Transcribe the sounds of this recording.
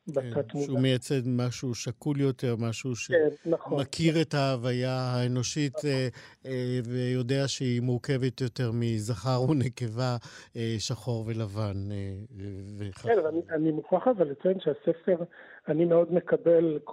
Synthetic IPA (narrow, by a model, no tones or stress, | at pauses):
batat̪muumejat͡se̞dmaʃuʃakuljo̞te̞ʁmaʃuʃennaχomakʰiʁetaːvajahaeno̞ʃit | vejo̞deaʃeimuʁke̞vetjo̞te̞ʁmizaχaʁuneke̞vaeʃaχo̞ʁve̞lavan | veχvnianimuχaχavalet͡sjenʃeasefeʁ | animeodmekabelk